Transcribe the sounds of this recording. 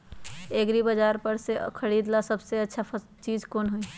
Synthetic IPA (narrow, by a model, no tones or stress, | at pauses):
eɡɾibəd͡ʒaːɾpəɾsekʰəɽiːd̪lasəbseɐtːʃʰa | t͡ʃiːd͡ʒkoːnɦoi